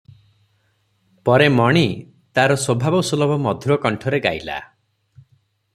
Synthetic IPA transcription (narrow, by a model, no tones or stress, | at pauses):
pɔɾemɔɽ̃i | t̪aɾɔswobʱabɔsulɔbɔmɔd̪ʱuɾɔkɔɳʈʰɔɾeɡa̰jla̰